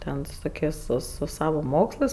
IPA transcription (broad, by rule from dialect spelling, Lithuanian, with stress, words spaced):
ˈtʲɛn sʊ ˈtoːkʲeːsʲ sʊ sʊ ˈsɑːʋoː ˈmoːkslˠɜs